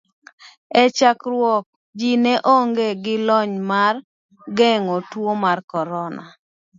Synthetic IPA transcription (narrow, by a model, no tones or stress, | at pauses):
ɛt͡ʃakɾwɔk̚ | d͡ʒinɛʔoŋɡeɡɪlɔɲmar | ɡɛŋotwomarkɔɾɔna̰